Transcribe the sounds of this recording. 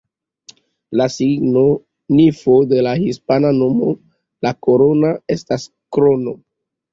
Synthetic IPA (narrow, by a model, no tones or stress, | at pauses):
lasiɡno | nifode̞lahispanano̞mo | lakoɾonae̞stas | kɾono